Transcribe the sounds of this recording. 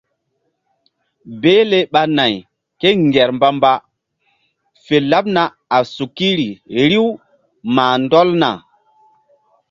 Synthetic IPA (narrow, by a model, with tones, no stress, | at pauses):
be˦le˦ɓa˦na˨j | ke˦ŋɡɛ˨ɾmba˦mba˦ | fe˨la˦p̚na˨ | a˨su˨ki˦ɾi˨ɾi˦w | maː˨ndɔ˦lna̰˨